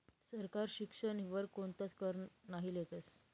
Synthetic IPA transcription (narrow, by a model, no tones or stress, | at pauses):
səɾkaɾɕikʂəɳʋəɾkont̪at͡skəɾnaɦiljet̪əs